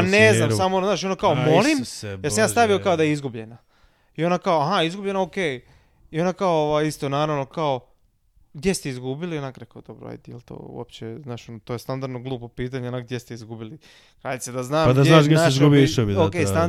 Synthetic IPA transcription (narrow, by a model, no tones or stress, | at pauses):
neznamsamoznaːʃonakaomolˠimmjeɾsamjaːst̪aʋio̞kaod̪ajeizɡubʎe̞na | io̞nakaoaɦaizɡubʎe̞naoke | io̞nakaooʋajist̪onaːɾaʋno̞kao | ɡd̪jest̪iizɡubilionakɾekaod̪obɾo̰a̰jd̪ejelʲt̪o̰ːṵo̰pt͡ɕeznaːʃont̪ojst̪and̪aɾd̪noɡlˠuːpopiːt̪aɲeonaɡ̚d̪jest̪eizɡubili | kɾaːʎit̪sed̪aznaːmad̪azjenaːʃɡjesaiʃzɡubijiʃobiokest̪an